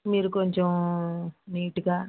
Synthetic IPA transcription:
miːɾukoɲt͡ʃem | niːʈuɡaː

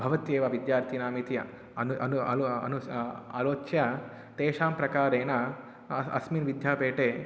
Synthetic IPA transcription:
bʱɐʋɐt̪jeːʋaʋid̪jaːɾt̪ʰinaːmit̪jɐ̰ | ɐnuɐnuɐ̰lɐ̰nua̰ːloːt͡ʃjɐ | t̪eːʃaːmpɾɐkaːɾeːnɐ | ɐ̰sminʋid̪ʱjaːpeːʈeː

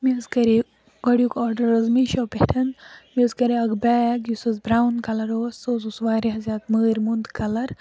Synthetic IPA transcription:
mizkɐɾi | ɡɐɽjukɔːɾɖɐɾɐzmiʃɐwpeʈʰɐnmizkɐɾiɐɡbɛːkjusɐzbɾaːwnkɐlɐɾoːsoːzusʋaːɾiɦɐzʲaːt̪məːɾʲmund̪kɐlɐɾ

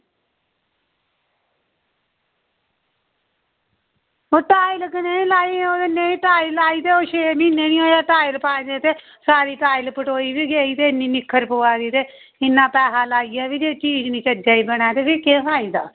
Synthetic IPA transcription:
oːʈaːilkənẽːlaːiːoːd̪ɪnẽːiʈaːilaːiːt̪eːoːʃeːmĩːneːniːoːjaːʈaːilpaːĩd̪eːt̪eː | saːɾiːʈaːɪlpəʈoːiːbiːɡeːiːt̪eːɪniːnɪkʰːəɾpoːaːd̪iːt̪eː | ɪnːãːpɛːɦaːlaːiːjaːʋiːd͡ʒeːt͡ʃiːd͡ʒnĩːt͡ʃəd͡ʒaːiːbəɽ̃aːt̪eːpɪkẽːkaːiːd̪a̰ː

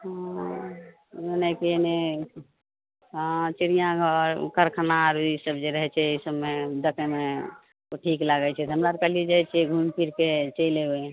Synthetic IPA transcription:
ɦã | nɛkiene | ɦãt͡ʃiɾijãɡʱəɾkəɾkʰənaɾbʱisəbd͡ʒeɾəɦɛt͡ʃʰɛisəbmed̪əkeme | oʈʰiklaɡɛt͡ʃʰɛɦəmɾaɾkəɦlid͡ʒajt͡ʃʰɛɡʱumpʰiɾket͡ʃəɪleoẽ

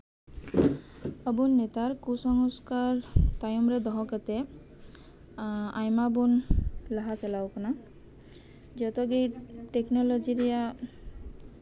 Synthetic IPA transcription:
ɔbunːet̪aɾkusɔŋɔskaɾt̪ajɔmɾed̪ɔɦɔkat̪e | ajmabunlaɦasɛlawkɔna | d͡ʒɔt̪ɔɡiʈeknɔlod͡ʒiɾija

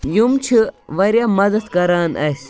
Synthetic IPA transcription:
jumt͡ʃʰiʋɐɾʲjaːmɐd̪ɐt̪kɐɾaːnɐsʲ

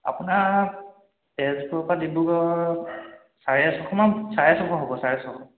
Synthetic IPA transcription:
a̰puna | tɛzpuɔpadibuɡɔ | saɹasɔkʰɔmasaɹasɔkɔɦɔbɔsaɹɛsɔbɔ

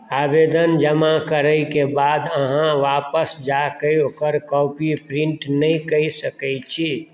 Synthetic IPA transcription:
abed̪ənd͡ʒəmakəɾəjkebad̪əɦãʋapəsd͡ʒakəjokəɾkɔpipɾiɳʈnəjkəjsəkɛjt͡ʃʰi

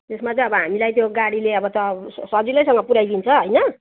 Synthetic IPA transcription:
d͡zesmat͡sʌ̃ʌbʌɦamilajt̪joɡaɽileʌbʌt̪ʌssʌd͡zilʌjsʌŋɡʌpuɾajd̪int͡sʰʌɦʌjnʌ

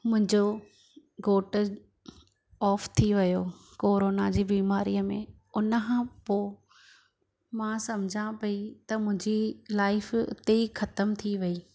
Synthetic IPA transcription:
mʊ̃ɦɪ̃ɲd͡ʑo | ɡoːʈ | ɔːft̪ʰiʋɐjo | koːɾoːnad͡ʑiːbiːmaːɾiːəmḛ̃ | ʊnəkʰãːpoː | mãːsɐmd͡ʑʱãpɐit̪ɐmʊ̃ɦɪ̃ɲd͡ʑilaːɪfɪ̰t̪eixɐt̪əmt̪ʰiʋɐiː

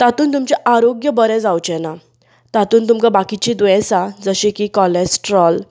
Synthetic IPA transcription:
t̪at̪uːnt̪umt͡ɕɛʔaɾoɡjəbəɾɛ̃d͡zawt͡ɕɛna | t̪at̪uːnt̪umkabakit͡ɕid̪jɛ̃sad͡zəɕẽkiːkɔlɛsʈɾɔl

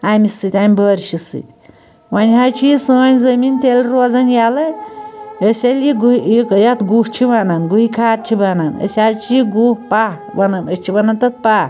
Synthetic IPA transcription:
amʲisɨt̪ʲamʲbəɾʲt͡ʃʰisɨ̰t̪ʲ | wɐnʲɦaɾt͡ʃʰijisɨɐnʲzəmint̪elɾoːzɐnjalɐ | əsʲeljiɡikjɐt̪ɡuht͡ʃʰiʋanɐnɡuɦikʰaːt̪̚t͡ʃʲʰibɐnɐnə̰sʲaɾt͡ʃʰijiɡupah | ʋɐnɐnət͡ʃʰiʋɐnɐnt̪ɐt̪̚paː

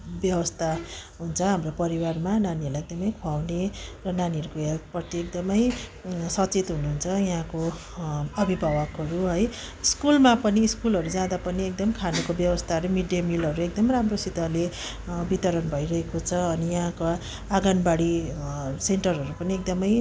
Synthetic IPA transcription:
bjʌbʌst̪ʰaɦunt͡sʰʌɦamropʌɾiwarmananiʌrlaek̚d̪ʌmʌjkʰuawnerʌnaniʌɾukojapʌt̪iek̚d̪ʌmʌjsʌt͡set̪ɦunuɦunt͡sʰʌjʌɦãko | ʌbʱibʱawʌkɦʌɾuɦʌj | skulmapʌniskulɦʌɾud͡zãd̪apʌniek̚d̪ʌmkʰanukobjʌwʌst̪ʰaʌɾumiɖjamilɦʌɾuekd̪ʌmʌjɾamrosit̪ʌle | bit̪ʌɾʌnbʱʌjɾʌɦekot͡sʰʌːnijʌɦãka | aɡʌnbaɽi | seɳʈʌrɦʌɾupʌniek̚d̪ʌmʌj

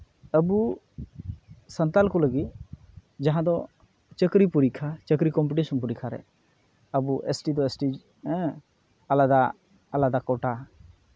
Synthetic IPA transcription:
əbu | sənt̪alkɔləɡit̪̚ | d͡ʒaɦãd̪ɔ | t͡ʃəkɾipuɾikʰat͡ʃəkɾikɔmpiʈisɔnpuɾikʰaɾɛ̰ | əbuʔesʈid̪ɔesʈĩ | alad̪aː | lad̪akɔʈa

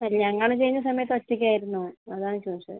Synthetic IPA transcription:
ɐlːiɲɐŋːɐɭt͡ɕe̞jːnːɐsɐmɐjɐt̪ːɨot͡ɕːikʲːaːjiɾunːuːɳɨɐðaːɳɨt͡ɕoːt͡ɕːɐ̰ɨ

